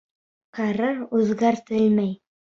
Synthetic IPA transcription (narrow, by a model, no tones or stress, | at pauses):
qɑɾɤɾʉðɡæɾt̪ɘlmæj